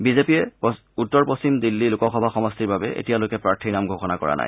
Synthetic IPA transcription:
bizepijɛ | utːɔɹpost͡ɕimdilːilʊkɔxɔbʱaxɔmɔstiɹbabɛʔḛtijalojkɛpɹaɹtʰinamɡʱoxɔnakɔ̰ɹa̰na̰j

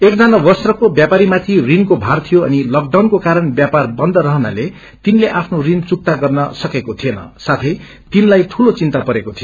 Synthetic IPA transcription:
ek̚d͡zanabʌsrʌkobjapaɾimat̪ʰirinkobʱart̪ʰijoʌ̰nilʌɡ̚ɖawnkokaɾʌnbjaparbʌnd̪ʌɾʌɦʌna̰le | t̪inleʔapʰnorint͡suk̚t̪aɡʌrnʌsʌkekot̪ʰienʌ̰sat̪ʰʌj | t̪inlajʈʰulot͡sint̪apʌɾekot̪ʰijo

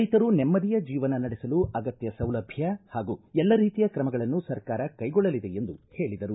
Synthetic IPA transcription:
jt̪ɐɾunemːɐd̪ijɐd͡ʒiːʋɐnɐnɐɽɛsɐluɐɡɐt̪jɐsɐwlɐbʱjɐhaːɡuɛlːɐɾiːt̪ijɐkɾɐmɐɡɐɭɐnːusɐɾkaːɾɐkɐjɡɔɭːɐlid̪e̞end̪ṵhe̞ːɭid̪ɐɾu

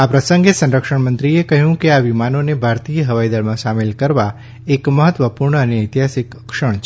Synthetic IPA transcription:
apɾəsə̃ŋɡesə̃nɾəkʃəɳmə̃nt̪ɾiekəɦjũkeaʋimanonebʱaɾt̪ijəɦəʋaid̪əɭmãʃamelkəɾʋa | ekməɦət̪ʋəpuɾɳəəneəjt̪iɦasɪkəkʃəɳ̃t͡ʃʰ

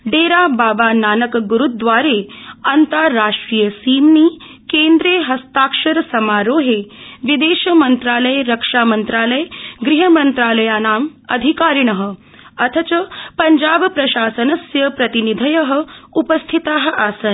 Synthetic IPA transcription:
ɖeːɾaːbaːbaːnaːnɐkɡuɾud̪ʋaːɾeːɐnt̪aːaːʂʈɾiːjɐsiːmniː | keːnd̪ɾeːɦɐst̪aːkʂɐɾsɐmaːɾoːɦeːʋid̪eːʃɐmɐnt̪ɾaːlɐjɾɐkʂaːmɐnt̪ɾaːlɐjɡɾiɦɐmɐnt̪ɾaːlɐjaːnaːmɐ̰d̪ʱikaːɾiɳɐɦə̆ | ɐt̪ʰɐt͡ʃɐpɐɲd͡ʒaːbpɾɐʃaːsɐnɐsjɐpɾɐt̪inid̪ʱɐjɐɦɐ̆upɐst̪ʰit̪aːɦɐ̆ʔaːsɐn

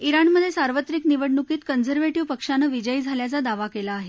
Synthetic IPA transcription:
iɾanməd̪ʱːjesaɾʋət̪ɾiːkniʋəɽnukiːt̪kənd͡zəɾʋeʈiʋpəkʂanəʋid͡ʑəid͡zʱaljat͡sad̪aʋakelaːɦe

